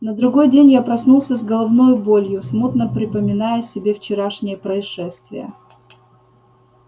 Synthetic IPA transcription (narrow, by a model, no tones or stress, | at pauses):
nəd̪ɾʊɡo̞jdʲenʲjapɾɐsnulˠsʲəzɡəlˠɐvno̞jbo̞lʲjʊsmut̪nəpɾʲɪpəmʲɪnajʊsʲɪbʲeft͡ɕɪɾaʂnʲɪjəpɾəɪʂɛst̪vʲɪ̰jə̰